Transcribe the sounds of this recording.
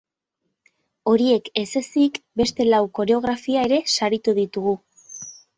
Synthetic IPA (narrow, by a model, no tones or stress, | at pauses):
o̞ɾie̞ke̞se̞sikbe̞st̪e̞lawko̞ɾe̞o̞ɣ̞ɾafiae̞ɾe̞saɾit̪uðit̪uɣu